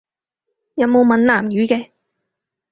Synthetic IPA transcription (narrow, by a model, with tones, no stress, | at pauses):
jɐ˨˥wmo˨˧wmɐ˨nlaː˨˩mjyː˨˥kɛː˧